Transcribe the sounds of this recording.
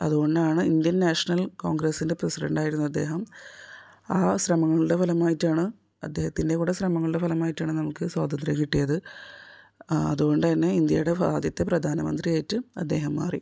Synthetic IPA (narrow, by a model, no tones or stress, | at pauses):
ɐ̰ðuɣo̞ɳɖaːɳɨind̪jɐnnaːʂɐnɐlko̞ːŋɡɾesːinde̞prɐsiɖɐ̰ɳɖaːjiɾunːuɐd̪ːe̞ːɦɐm | aːsrɐmɐŋːɐɭɨɽe̞fɐlɐmaːjitːaːɳɨ | ɐ̰d̪ːeːhɐt̪ːinde̞kuːɽesrɐmɐŋːɐɭɨɽe̞fɐlɐmaːjitːaːɳɨnɐmukːɨswaːd̪ɐnd̪ɾjɐmkiʈːijɐðɨ | ɐ̰ðuɣo̞ɳɖɨt̪ɐnːe̞ind̪jɐ̰juɽe̞bʱaːd̪jɐt̪ːe̞prɐd̪ʱaːnɐmɐ̰nd̪rijaːjitːɨɐ̰d̪ːe̞ːɦɐmːa̰ːrḭ